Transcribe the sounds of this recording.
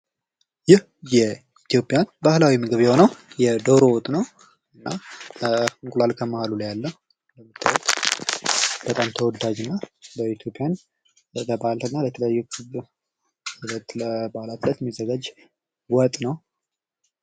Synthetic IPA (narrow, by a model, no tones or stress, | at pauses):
jɪh | jɛ | it̪ʰijo̞pʼːjanbahlawimɨɡɨβjɛho̞nəwjɛd̪əɾowɔt̪ʼnəw | ɨnːa | ɨŋkʼulalkʰəmahalulajalːəh | ləmɨt̪ʰːɨwɛt̪ | b̥ət̪ʼamt̪ʰəwɔd̪ad͡ʒɨnːabəit̪ʰjo̞pʼjan | ləbalt̪ɨnːalət̪ʰələjajːukʰɨβ | lt̪əbalat̪ʰlət̪jɛmːizːəɡad͡ʒ | wɔt̪ʼnəw